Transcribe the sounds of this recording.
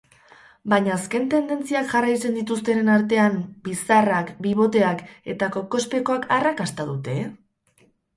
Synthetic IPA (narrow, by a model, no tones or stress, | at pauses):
baɲaːske̞nt̪e̞nd̪e̞nt͡siakʝarajt͡se̞nd̪it̪ust̪e̞nenaɾt̪e̞ambisarakbiβo̞t̪e̞ake̞̰t̪ako̞ko̞spe̞ko̞akarakast̪aðut̪e̞